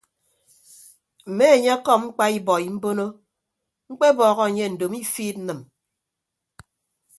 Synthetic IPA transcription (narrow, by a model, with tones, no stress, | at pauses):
m̩˨me˦e˨ɲe˦a˦kɔ˦˨p̚ŋ͡m̩˦k͡pa˦i˦bɔ˨ji˨m̩˦bo˦no˦ | ŋ͡m̩˦k͡pe˦bɔː˨ɣɔ˦e˨ɲe˦n̩˨do˨mi˦fiː˦t̚n̩˦nɨ˨m